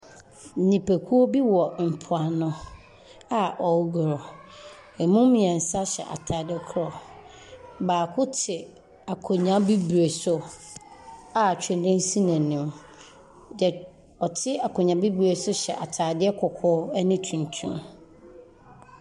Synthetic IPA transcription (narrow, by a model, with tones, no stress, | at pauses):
nĩ˨pʰe˨kʰu˦o˦bi˦wɔ˨m̩˨pʰʊ˨a˨nʊ̃˨ | a˨ʔɔ˨˦ɡɾɔ˨ | ɛ˨mũ˦mĩ˨ɛ̃˨n̩˨sa˦ɕɛ̰˨ʔa̰˨tʰaː˨dɪ˦kʰɾɔ˨ | baː˨kʰʊ˦tʰɪ˨ | a˨kʰʊ˨ɲã˦bi˦bu˨ɾe˨sʊ˦ | a˨t͡ɕᶣʰɪ̃˨n˨dɪ̃˦n̩˦sĩ˦nã˨nɪ̃˨m | d͡ʒɛ˨ | ɔ˨tʰɪ˦a˨kʰʊ̃˨ɲã˨˦bi˦bu˨ɾe˨sʊ˦ɕɛ̰˨ʔa̰˨tʰaː˨dɪ˦ɛ˦kʰʊ˨kʰɔ˦ɛ˦nɪ̃˦tʰũ˨n˨tʰṵ̃˦m